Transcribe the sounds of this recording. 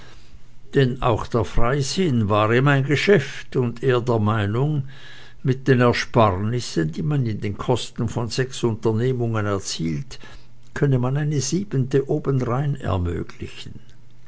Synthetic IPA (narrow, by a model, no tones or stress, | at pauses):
d̥ɛna̰ʊxd̥eːɐfʁ̥aɪzɪnvaːʁeːmaɪnɡəʃɛftʊndeːɐdeːɐmaɪnʊŋ | mɪt̚d̥eːnɛɐʃpaʁnɪsəndiːmanɪndeːnkʰɔstn̩fɔnz̥ɛksʊntɐneːmʊŋənɛɐt͡siːlt | kʰœnəmanaɪnəziːbəntəʔoːbənʁaɪnɛ̰ɐmø̰ːɡ̥lɪ̰çən̩